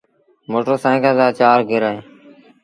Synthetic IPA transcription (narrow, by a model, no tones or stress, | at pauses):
moːʈəsãːkãːzaːt͡ʃaːɾɡɪɾaẽː